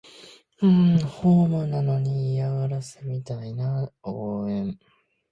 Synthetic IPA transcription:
ɯ̃ɴhoːmɯnano̞ɲ̟ijaβaɾasɨmʲit̪ainaoːẽ̞ɴ

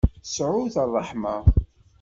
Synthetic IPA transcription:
sʕʊθɑrˤːɑħmə

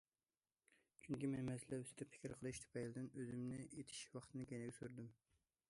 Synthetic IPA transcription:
t͡ʃʰyŋkʲimɛnmɛsɪlɛysɪ̥t̪ʰɛpfʰɪ̥kʲiɾqʰəlˠɨʃt̪ʰy̥pʰɛjlɪd̪ɪnøzɪmnɪʔet̪ʰɪ̥ʃwɑχt̪ʰɨnɨkʲʰenɪɡʲɛsuɾd̪ym

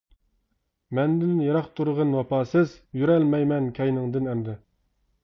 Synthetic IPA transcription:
mɛnd̪ɪnnjɑɾɑqt̪ʰuɾʁənwɑpɑːsɨzjyɾɛlmɛjmɛnkʲʰɛjnɪŋd̪ɨnɛmd̪ɪ

